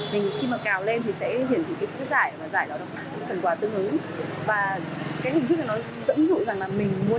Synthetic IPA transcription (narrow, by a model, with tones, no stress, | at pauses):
mï˨˩ŋ̟˨xi˧maː˨˩kaː˨˩wle˧nt̪ʰi˨˩sɛ̰˧˥ɦi˧˩ənt̪i˨˩kaː˨˦jt̪i˨˦˥kzaː˧˩jvaː˨˩zaː˧˩jɗɔ˨˦na˨˩kskə˨˩nkwaː˨˦t̪ɨ˧əŋʔɨ˨˦ŋ | vaː˨˩kaː˨˦k̚hi˨˩ŋt̪ʰk̚la˨˩nɔ˨˦ | zə̰˧˥nzṵ˧˨za˨˩ŋlaː˨˩mï˨˩ŋ̟mu˨˦ə